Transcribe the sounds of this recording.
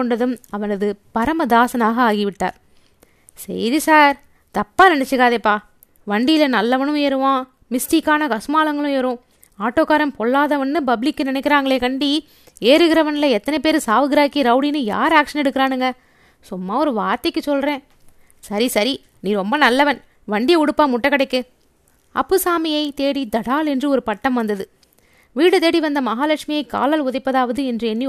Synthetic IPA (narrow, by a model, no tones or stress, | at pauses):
ɔɳɖɐðɯmɐʋɐnɐðɯpɐɾɐmɐd̪aːsɐnaːɣɐaːɣiʋɪʈːa̰ːɾ | sɛ̰jðɯsaːɾ | t̪ɐpːaːnɪnɛt͡ʃːɯɣaːðeːpːaː | ʋɐɳɖijɪlɐnɐlːɐʋɐnɯ̃meːɾɯʋãː | mɪsʈiːkːaːnɐkɐsɯmaːlɐŋɡɐɭɯ̃eːɾʊ̃ | aːʈːoːkaːɾɐmpɔɭːaːðɐʋɐnːɯpɐbɪlɪkːɯnɪnɛkːɪɾaːŋɡɐɭeːkɐɳɖi | eːɾɯɣɪɾɐʋɐnlɐɛt̪ːɐnɐɪpeːɾɯsaːʋɯɡɾaːkːiɾɐʊɽinɯja̰ːɾaːkʂɐnɛɽɯkːɯɾaːnɯŋɡɐ | sʊmːaːɔɾɯʋaːɾt̪ɐkːɯsɔlɾẽː | sɐɾisɐɾi | nĩːɾɔmbɐnɐlːɐʋɐn | ʋɐɳɖɪjɐʊɽɯpːaːmʊʈːɐkːɐɽɐɪkːɯ | ɐ̰pːɯsaːmɪjɐɪt̪eːɽid̪ɐɽaːlɛndrɯɔɾɯpɐʈːɐmʋɐnd̪ɐðɯ | ʋiːɽɯt̪eːɽiʋɐnd̪ɐmɐɦaːlɐkʂmɪjɐɪkːa̰ːlɐlʊðɐɪpːɐðaːʋɐðɯɛndrɯɛnːi